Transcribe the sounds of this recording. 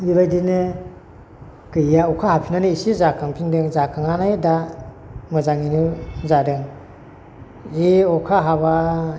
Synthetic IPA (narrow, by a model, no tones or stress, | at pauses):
iβajdinɯ | kɯjaɔkʰahapʰinanɯisizakʰaŋpʰindɯŋzakʰaŋanajda | mɯzaŋinuzadɯŋ | iɔkʰaɦaβa